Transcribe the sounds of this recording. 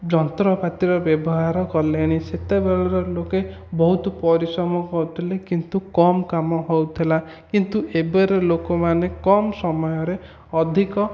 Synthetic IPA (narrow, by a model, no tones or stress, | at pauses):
d͡ʒɔnt̪ɾɔpat̪iɾɔbjɔbɔɦaɾɔkɔleɽ̃iset̪ebeɭɔɾɔloke | bɔɦut̪ɔpɔɾisɔmɔkɔɾut̪ʰilekint̪ukɔmkamɔɦɔwt̪ʰila | kint̪uʔebeɾelokɔmanekɔmsɔmɔjɔɾe | ɔd̪ʱikɔ